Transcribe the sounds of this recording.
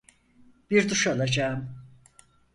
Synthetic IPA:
b̥iɾd̪uʃalˠad͡ʒaːm

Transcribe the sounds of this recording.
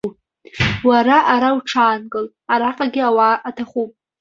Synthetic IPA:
waɾaʔaɾawʈ͡ʂʰaːnkʼɨl | aɾaqʼaɡʲɪawaʔːtʰaχupʼ

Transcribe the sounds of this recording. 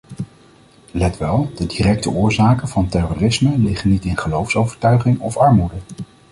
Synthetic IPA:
lɛtʋɛlˠdədirɛk̚təʔʊːɹzaːkənv̥ɑntɛroːrɪsməlɪχənːitɪnχəlowfsowvəɹtœɥχɪŋɔfɑɹmudə

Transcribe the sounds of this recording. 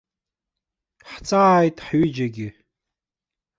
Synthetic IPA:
ħt͡sʼaːjtʼħɥʏd͡ʒaɡʲɪ

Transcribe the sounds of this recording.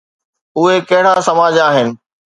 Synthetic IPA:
ʊɦekɐɦɪɽ̤asɐmaːd͡ʑaːɦɪnɪ̆

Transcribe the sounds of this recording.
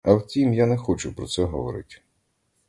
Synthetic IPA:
ɐwtʲimjanɛxɔt͡ʃʊpɾɔt̪sɛɦɔʋɔ̰ɾɪ̰tʲ

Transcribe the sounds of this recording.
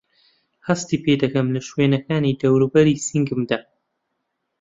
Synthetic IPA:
hɐst̪iːpeːd̪ɨkɐmlɨʃweːnɐkaːniːd̪ɐwɾuːbɐɾiːsiŋɡɨmd̪a

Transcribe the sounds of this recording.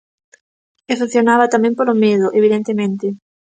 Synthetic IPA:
efeθjonaβat̪amɛ̃ŋpolomeðʊʔeβ̞iðent̪emẽnt̪ɪ

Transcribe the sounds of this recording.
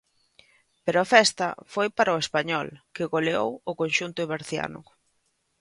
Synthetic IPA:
peɾʊafɛst̪ɐ̰fojpaɾɐʊespaɲɔlkɪɣoleo̰wʊkonʃunt̪ʊɪβaɾθja̰nʊ̰

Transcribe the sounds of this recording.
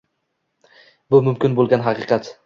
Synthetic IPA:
bʊmʊmkʲɪnbolˠɡʲanɦɑqɨqɑt̪

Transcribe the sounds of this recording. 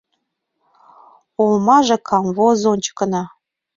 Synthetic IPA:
olmɑʒĕkʰɑmvozont͡ɕə̥kə̆nɑ

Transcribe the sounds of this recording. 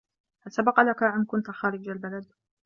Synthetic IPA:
halsabɑqɑlakaʔamkʊnt̪axaːɾɪd͡ʒalbalad̪

